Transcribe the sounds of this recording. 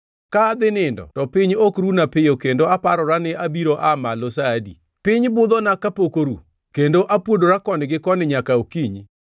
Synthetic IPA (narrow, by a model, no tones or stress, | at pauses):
kad̪ɪnɪndɔ̰tɔpiɲokɾunapɪjokendoapaɾɔɾanɪʔabiɾoʔamalosadḭ | pɪɲbʊd̪ɔnakapokoɾṵ | kendoʔapwodoɾakɔnɪɡɪkɔnɪɲakaokiɲi